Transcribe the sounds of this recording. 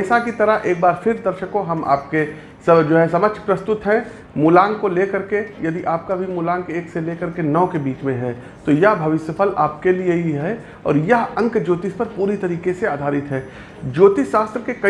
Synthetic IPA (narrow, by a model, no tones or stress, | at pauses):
ɛːsakit̪ɐɾəɦʔeːk̚baːɾfʰɪɾd̪ɐɾʃəkõɦɐma̰ːp̚ke | sɐd͡ʒoːɦɛsɐmət͡ʃʰpɾɐst̪ʊt̪ɦɛ̃ | mʊlaːŋkoleːkɐɾkejɐd̪iʔaːp̚kabʱimʊlãːŋkeːkseleːkɐɾkenɐːkebiːt͡ʃmẽɦɛː | t̪ojɐɦbʱɐʋɪʃəpʰəlaːp̚kelieiɦɛ | ɔ̰ːɾjɐɦɐ̃ŋkd͡ʒoːt̪ɪspɐɾpuːɾit̪ɐɾiːkeseaːd̪ʱaːɾɪt̪ɦɛː | d͡ʒoːt̪isaːst̪ɾəkekɐ